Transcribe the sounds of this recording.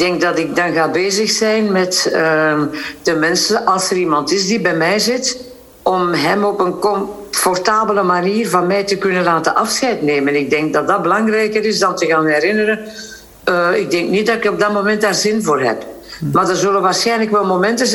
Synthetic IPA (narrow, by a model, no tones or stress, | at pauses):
ɪɡ̚dɛŋk̚dɑtɪk̚dɑnɣaːbeːzəxsɛjnmɛtə | d̥əmɛnsəʔɑlˠsəɾimɑntɪzdibɛjmɛjzɪt | ɔmɦɛmɔpənkɔm | fɔrtaːbələmaniːrvɑnmɛjtəkɵnənlaːtənʔɑfsxɛjtneːmənɪɡ̚dɛŋk̚dɑt̚dɑt̚bəlɑŋrɛjkəɾɪzdɑntəɣaːnɛrɪnəɾə | əɪɡ̚dɛŋknit̚dɑtɪkɔb̚dɑtmomɛnt̚daːrzɪnvoːrɦɛ̰p | maːrdərzɵləʋaːrsxɛjnləkʋɛlˠmomɛntəz